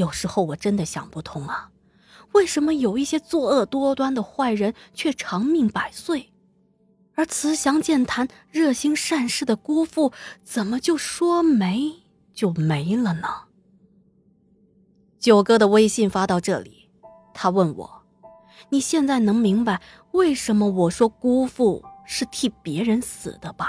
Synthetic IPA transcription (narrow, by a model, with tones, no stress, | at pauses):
jo˨˩ʊʂɻ̩˧˥xo˥˧˩ʊwɔ˨˩ʈ͡ʂə˥nd̪ə˨ɕjɑ̰˨˩ŋpu˥˩t̪ʰʊ˧˥ŋɐ˧ | we˥˩ɪʂə˧˥nmə˧jo˨˩ʊi˥˩ɕjɛ˥t͡swɔ˥˧ɤ˥˩t̪wɔ˥t̪wa˥nd̪ə˨xwa˥˩ɪɻə˧˥nt͡ɕʰɥɛ˥˩ʈ͡ʂʰɑ˧˥ŋmi˥˩ŋpa˨˩ɪswe˥˩ɪ | ə˞˧˥t͡sʰɹ̩˧˥ɕjɑ˧˥ŋt͡ɕjɛ˥˩nt̪ʰa˧˥n | ɻɤ˥˩ɕi˥nʂa˥˧nʂɻ̩˥˩d̪ə˩ku˥fu˥˩t͡sə˨˩nmə˦t͡ɕjo˥˩ʊʂwɔ˥me˧˥ɪ | t͡ɕjo˥˩ʊme˧˥ɪlə˧nə˩ | t͡ɕjo˨˩ʊkɤ˥d̪ə˨we˥ɪɕi˥˩nfa˥t̪ɑ˥˧ʊʈ͡ʂɤ˥˩lḭ˨˩˦ | t̪ʰa˥wə˥˩nwɔ̰˨˩˦ | ni˨˩ɕjɛ˥˧nt͡sa˥˩ɪnɤ˧˥ŋmi˧˥ŋpa˧ɪ | we˥˩ɪʂə˧˥nmə˧wɔ˨˩ʂwɔ˥ku˥fu˥˩ʂɻ̩˥˧t̪ʰi˥˩pjɛ˧˥ɻə˧˥nsɹ̩̰˨˩d̪ə˦bɐ˧